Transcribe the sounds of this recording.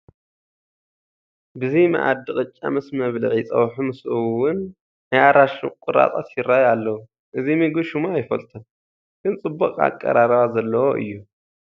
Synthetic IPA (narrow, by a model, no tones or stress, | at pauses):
bɨzima̰ʔa̰d̪ɨχʼɨt͡ʃʼːa̰mɨsmɐβlḭʕit͡sʼɐ̰wħumɨsʔuwʊn | najaɾaʃṵkʼʊɾa̰t̪ʼat̪jɪɾːajalːɐwu | ʔɨzimɨɡɨʃumaːjfɐlt̪ʰɐn | ɡ̥ɨnt͡sʼɨbːɐkʼa̰kʼːɐ̰ɾaɾɐβazɐlːɐwoʔɨ̰jːu